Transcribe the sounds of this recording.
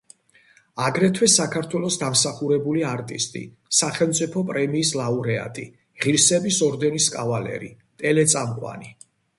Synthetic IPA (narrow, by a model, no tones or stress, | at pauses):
aɡɾɛt̪ʰwɛsakʰaɾt̪ʰwɛlˠɔsd̪amsaχuɾɛbuliaɾt̪ʼḭst̪ʼḭ | saχɛlˠmt̪sʼipʰɔpʼɾɛmiːslˠauɾɛa̰t̪ʼḭ | ʁiɾsɛbisɔɾd̪ɛniskʼavalɛ̰ɾḭ | t̪ʼɛlɛt̪sʼamqʼwa̰ni